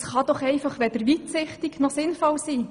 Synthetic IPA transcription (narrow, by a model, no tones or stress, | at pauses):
sχɑd̥̪ɔχɛɪfɑχʋɛd̥̪əɾʋit̪sɪχt̪iɡnɔsɪnfɔlsiː